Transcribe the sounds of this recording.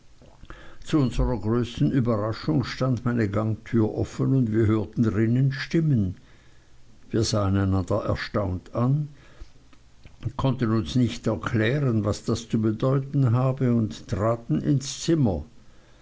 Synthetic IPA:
t͡suʊnzəʁɐɡʁøːstn̩ybɐʁaʃʊŋʃtandmaɪnəɡaŋtʰyːɐʔɔfənʊndviːɐɦøːɐtn̩dʁɪnənʃtɪmən | viːɐzaːənaɪnandɐʔɛ̰ɐʃtaʊntan | kʰɔntənʊnsnɪçtɛɐkʰl̥ɛːʁənvasd̥ast͡subədɔʏtn̩ɦaːbəʊnttʁ̥aːtn̩ʔɪ̰nst͡sɪmɐ

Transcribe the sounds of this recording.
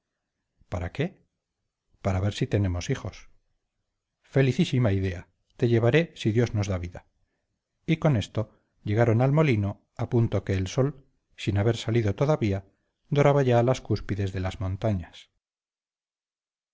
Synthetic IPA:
paɾake̞ | paɾaβe̞ɾsit̪e̞ne̞mo̞sixo̞s | fe̞liθisimaiðe̞a | t̪e̞ʎe̞β̞aɾe̞siðjo̞zno̞zðaβiða | iko̞ne̞st̪o̞ | ʎe̞ɣ̞aɾo̞nalmo̞lino̞ | apunt̪o̞ke̞ːlso̞l | sinaβe̞ɾsaliðo̞t̪oðaβia | d̪o̞ɾaβaʝaːlaskuspiðe̞zðe̞lazmõ̞nt̪aɲas

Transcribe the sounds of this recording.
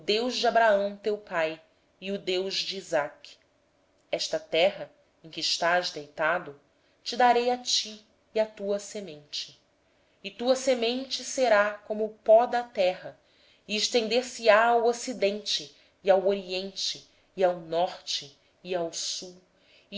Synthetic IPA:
ʊd̪ewʒd͡ʒɪabɾaɐ̃w̃t̪ewpaj | iʊd̪ewʒd͡ʒiːzak | ɛʃt̪ɐt̪ɛɦɐ | ẽkʲɪːʃt̪aʒd̪ejt̪ad̪ʊ | t͡ʃɪd̪aɾejat͡ʃiː | at̪uɐsemẽnt͡ʃɪː | t̪uɐsemẽnt͡ʃɪseɾakõmʊːpɔd̪ɐt̪ɛɦɐ | iɪʃt̪ẽnd̪eɾsɪaːwosid̪ẽnt͡ʃɪː | awoɾiẽnt͡ʃɪː | awnɔχt͡ʃɪː | awsu

